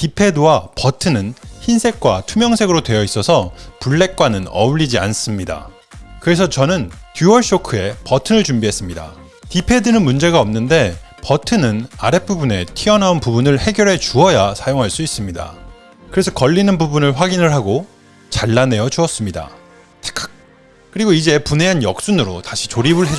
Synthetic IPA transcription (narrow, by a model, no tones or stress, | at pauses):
tipʰe̞dowapʌtʰɯnɯnçinsʰe̞k̚k͈watʰumjʌŋsʰe̞ɡɯɾodwe̞jʌis͈ʌsʰʌpuɭːe̞k̚k͈wanɯnʌ̰uʎːid͡ʑia̰ns͈ɯmɲida̰ | kɯɾe̞sʰʌt͡ɕʌnɯntjuwʌɭɕ͈okʰɯe̞pʌtʰɯnɯɭt͡ɕumbiɦe̞s͈ɯmɲida̰ | tipʰe̞dɯnɯnmund͡ʑe̞ɡaʌmnɯnde̞pʌtʰɯnɯna̰ɾe̞p͈ubune̞tʰiʌnaunpubunɯɭhe̞ɡjʌɾe̞t͡ɕuʌjasʰajoŋɦaɭs͈uis͈ɯmɲida̰ | kɯɾe̞sʰʌkʌʎːinɯnbubunɯɭɸwaɡinɯɭɦaɡo | t͡ɕaɭːane̞jʌt͡ɕuʌs͈ɯmɲida̰ | tʰe̥kʰḁ | kɯɾiɡoid͡ʑe̞pune̞ɦanjʌk̚s͈unɯɾotaɕʰi̥t͡ɕoɾibɯɭɦe